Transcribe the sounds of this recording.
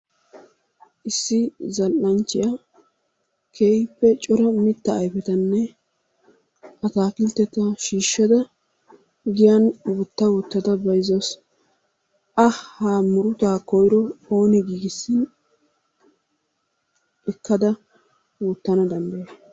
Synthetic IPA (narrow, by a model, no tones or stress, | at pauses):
ʔɪsːɪzɐlʔɐnt͡ʃːɪjɐ | kʰeːpːɛt͡ʃʼɔɾɐmɪt̪ːɐːjfɛt̪ɐnːɛ | ʔɐt̪aːkɪlt̪ːɛt̪ːɐʃiːʃːɐd̪ɐ | ɡɪjɐnwut̪ːɐwuːt̪ːɐd̪ɐbɐjzɔs | ʔɐhaːmʊɾʊt̪aːkɔjɾɔoːnɛɡiːɡɪsːɪn | ɛkːɐd̪ɐ | wuːt̪ːɐnɐd̪ɐnd̪ɐje